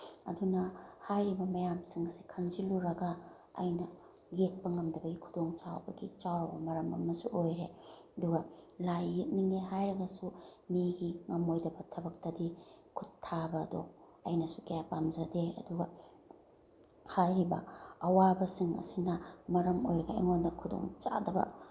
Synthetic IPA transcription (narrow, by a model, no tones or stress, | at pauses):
ɐ̰dunɐhajɾibɐmɐjamsiŋsi̥kʰɐnziluɾɐɡɐ̰ː | jnɐ | ɡet̚pɐŋɐmdɐbɐɡikʰudoŋt͡ʃawbɐɡit͡ʃawɾɐbɐmɐɾɐmɐ̰mɐsuʔojɾeɐduɡɐlajːit̚niŋeɦajɾɐɡɐsumiɡiŋɐmojdɐbɐtʰɐbɐk̚tɐdikʰutʰːabɐdo̰ | ɐ̰jnɐsukɐjapamzɐdeɐ̰duɡɐ | hajɾibɐ̰ɐwabɐsiŋɐ̰sinɐmɐɾɐmo̰jɾɐɡɐḛŋondɐkʰudo̰ŋt͡ʃa̰dɐbɐ̰